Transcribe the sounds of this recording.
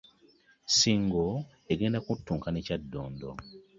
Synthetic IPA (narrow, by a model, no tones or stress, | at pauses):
siːŋɡo | eɡe̞ːndakutːuːŋkaneːcadːoːndo̰